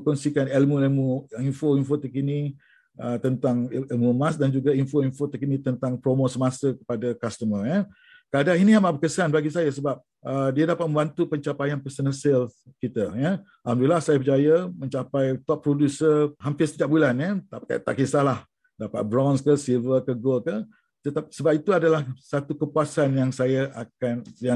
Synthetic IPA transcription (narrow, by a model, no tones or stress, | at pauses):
kɔnsikanɛlmũɛlmuinfoinfot̪əkini | ət̪ənt̪aŋɛlmumãsdand͡ʒuɡainfoinfot̪əkinĩt̪ənt̪aŋpɾomosəmasəkə̥padakast̪əməja | kadaŋinĩhambaʔbəkəsanbaɡisajasəbap̚ | ʔədiadapat̪̚mə̃mbant̪upəɲt͡ʃapajanpəsənəsɛlfkit̪ajə | ʔamdulasajapəd͡ʒajamə̃ɲt͡ʃapajt̪ɔp̚ːɾodusəɦampɪsət̪idaʔ̚bulanət̪aka̰t̪a̰ʔkisalah | dapa̰t̪̚bɾɔnskəsilvəkəɡolkə | t̪ət̪apsəbap̚it̪uadalahsat̪ukəpuasanjaŋsajaʔakanja